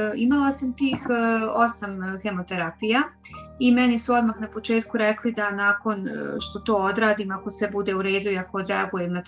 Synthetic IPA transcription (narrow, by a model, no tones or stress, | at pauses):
imalasamt̪iːxo̞samxe̞mo̞t̪e̞ɾapija | imɛnisuo̞d̪maxnapo̞t͡ʃe̞ːt̪kuɾeklid̪anaːko̞nʃt̪o̞t̪o̞ːod̪ɾaːd̪iːmako̞sʋebud̪eːuɾe̞ːd̪uiakood̪ɾeaɡujemna